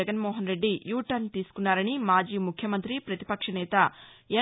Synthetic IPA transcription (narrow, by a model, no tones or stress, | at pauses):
ɐɡɐnmoːɦɐnɾe̞ɖːijuːʈɐnt̪iːsu̥kunːaːɾɐnimaːd͡ʒiːmukʰjɐmɐnt̪ɾipɾɐt̪i̥pɐkʂɐnɛːt̪ɐ | eː